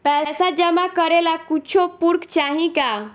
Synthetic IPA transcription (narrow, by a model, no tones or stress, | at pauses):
pɛsad͡ʒəmakəɾelakut͡ʃʰopuɾkt͡ʃaɦĩka